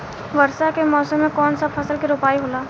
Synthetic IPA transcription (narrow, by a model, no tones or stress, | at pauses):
ʋɐɾsakemɔːsəmːẽkɔːnsapʰɐsəlkiɾoːpaːiɦoːlaː